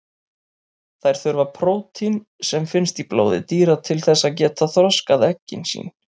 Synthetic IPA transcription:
θajɾ̥θʏɾvapʰɾoːwt̪ʰin | sɛmfɪnst̪iplo̰ːwðɪ̰t̪iːɾat̪ʰɪlθɛsːacɛːt̪ʰaθɾɔskaðɛcːɪ̰nsḭːn

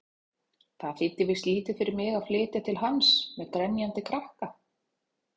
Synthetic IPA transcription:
θaðfɪnt̪ːɪvɪst̪liːt̪ɪfɪɾɪɾmɪɣaðflɪːt̪at̪ʰɪlɦansmɛðkɾɛnjant̪ɪkʰɾahka

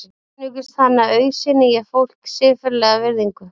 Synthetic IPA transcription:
nʏkʏst̪θanːaœɥsɪnɪjɛfowl̥ksɪːfɪɾlɛɣavɪɾðiŋkʏ

